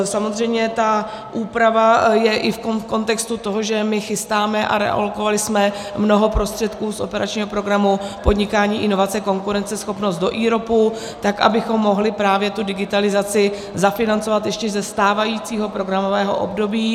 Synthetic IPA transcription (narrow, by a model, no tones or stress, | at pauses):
samozr̝ɛjmɲɛt̪a | ʔuːpɾavajɛʔɪfkoko̞nt̪ɛkst̪ut̪o̞ɦo̞ʒɛmɪxɪst̪aːmɛʔa̰ɾɛ̰ʔa̰lokovalɪsmɛ | mno̞ɦo̞pɾo̞st̪r̥ɛt̪kuːsʔo̞̰pɛɾʔat͡ʃɲiːɦo̞pɾo̞ɡɾamupo̞dɲɪkaːɲiːʔɪno̞vat͡sɛko̞ŋkuɾɛnt͡sɛsxo̞pno̞st̪do̞ʔiːɾo̞pu | t̪akʔa̰bɪxo̞mːo̞ɦlɪpɾaːvjɛt̪udɪɡɪt̪alɪzat͡sɪ | zafɪnant͡sovat̪jɛʃcɛzɛst̪aːvajiːt͡siːɦo̞pɾo̞ɡɾamo̞vɛːɦo̞̰ʔo̰bdo̞biː